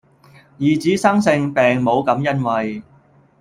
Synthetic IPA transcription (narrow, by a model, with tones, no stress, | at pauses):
jiː˨t͡siː˨˥sɐ˥ŋsɪ˧ŋpɛː˨˩ŋmo˨˧wkɐ˨˥mjɐ˥nwɐ˨j